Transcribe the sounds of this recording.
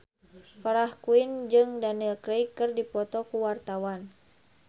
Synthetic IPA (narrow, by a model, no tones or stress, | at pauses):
faɾahkuind͡ʒɨŋdanilkɾejkːɨrdipɔt̪ɔkuwart̪awan